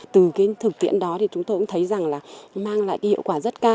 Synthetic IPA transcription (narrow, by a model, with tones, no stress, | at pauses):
t̪ɨ˨˩kaː˨˦jt̪ʰɨ˨˩k̚t̪ḭ˧˨ənɗɔ˨˦t̪ʰi˨˩t͡ɕʊ˨˦ŋ͡mt̪o˧jkʊ̰˧˥ŋ͡mt̪ʰə˨˦jza˨˩ŋlaː˨˩maː˧ŋla̰ː˧˨jkaː˨˦hḭ˧˨wkwaː˧˩zə˦˥t̚kaː˧